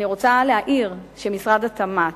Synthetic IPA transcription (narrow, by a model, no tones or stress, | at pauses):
iʁo̞t͡saleaʔiʁʃemisʁadatama